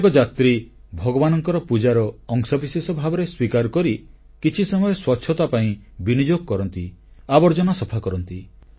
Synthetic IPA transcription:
kɔd͡ʒat̪ɾibʱɔɡɔbanɔŋkɔɾɔpud͡ʒaɾɔːŋsɔbisesɔbʱabɔɾeswikaɾɔkɔɾi | kit͡ʃʰisɔmɔjɔswɔtːʃʰjɔt̪apaĩbinid͡ʒoɡɔkɔɾɔnt̪i | abɔɾd͡ʒɔnɔsɔpʰakɔɾɔnt̪i

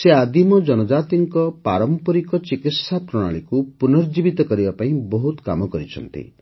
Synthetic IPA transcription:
sead̪imɔd͡ʒɔnɔd͡ʒat̪iŋkɔpaɾɔmpɔɾikɔt͡ʃikit̪sapɾɔɽ̃a̰ɭikupunɔɾd͡ʒibit̪ɔkɔɾibapaĩbɔɦut̪ka̰mɔkɔɾit͡ʃʰɔ̰nt̪ḭ

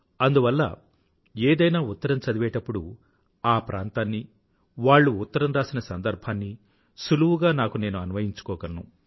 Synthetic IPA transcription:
ɐnd̪uʋɐlːɐ̰ | eːd̪ɐjnaːut̪ːɐɾɐmt͡ʃɐd̪iʋɛːʈɐpːuɽu | aːpɾʔa̰ːnt̪aːnːi | ʋaːɭːuːt̪ːɐɾɐmɾaːsinɐsɐnd̪ɐɾbʱaːnːi | suluwuɡaːnaːkune̞ːnuɐnuʋɐjiɲt͡ʃu̥kɔːkɐnnu

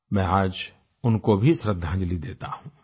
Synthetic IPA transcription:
mɛ̃ːaːd͡ʒ | ʊnkobʱisɾəd̪ʱːãːd͡ʒlid̪eːt̪ahũː

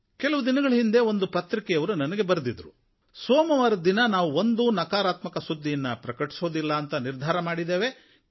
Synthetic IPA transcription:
kelɐʋud̪inɐɡɐɭɐɦind̪e̞o̞nd̪upɐt̪ɾikɛjɐʋɐɾunɐnɐɡe̞bɐɾɐd̪id̪ɾu | soːmɐʋaːɾɐd̪inɐnaːʋuond̪unɐkaːɾaːt̪mɐkɐsud̪ʱːijɐnːɐpɾɐkɐʈi̥soːd̪ilːɐːnt̪ɐniɾd̪ʱaːɾɐmaːɽid̪e̞ːʋe̞

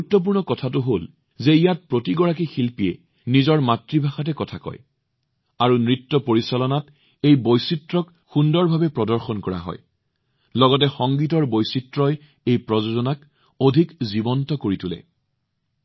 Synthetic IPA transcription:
ɡuutːɔp̬uɹnɔkɔtʰatʊɦol | zeijat̚pɹotiɡɔɹakixilpiɛ̰ | nizɔɹmatɹibʱaxat̬ɛkɔtʰakɔ̰j | aɹunɹitːɔpoɹisalɔnat | ejbojsitɹɔk | xundɔɹbʱabɛpɹɔdɔɹxɔnkɔɹa̰ɦɔ̰j | lɔɡɔt̬ɛxɔŋɡit̬ɔɹbojsitɹɔj | ejpɹɔzozɔnak | odʱikzibɔntɔkoɹitʰʊlɛ̰

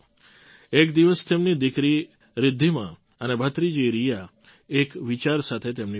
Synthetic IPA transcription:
ekd̪iʋəst̪emnid̪ikɾi | ɾɪd̪ʱːimã̰ | ənebʱət̪ɾid͡ʒiɾija | ekʋit͡ʃaɾsat̪ʰet̪emni

